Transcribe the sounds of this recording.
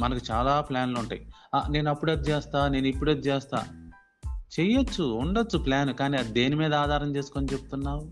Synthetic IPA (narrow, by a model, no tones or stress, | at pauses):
mɐnɐkut͡ʃaːlaːplaːnlouɳʈa̰ːji | ane̞ːnuɐpːuɽed̪ut͡ʃɛːst̪aːne̞ːnuipːuɽed̪ut͡ʃɛːst̪a̰ː | t͡ʃejɐt͡ʃːuuɳɖɐt͡ʃːuplaːnukaːniɐd̪e̞ːnimiːd̪ɐaːd̪ʱaːɾɐmt͡ʃe̞ːsu̥konit͡ʃebut̪unːaːwu